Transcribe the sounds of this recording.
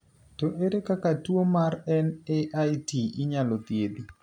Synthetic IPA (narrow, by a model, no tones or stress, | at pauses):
toʔeɾekakatwomarɛneʔajtiɪɲalot̪jed̪i